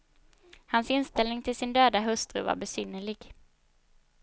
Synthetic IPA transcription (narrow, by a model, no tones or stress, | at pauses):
hansɪnst̪ɛlnɪŋt̪ʰɪlsɪnd̪øːd̪aɦɵst̪ɾɵ̰va̰ɾbɛsʏnːəɭɪɡ̥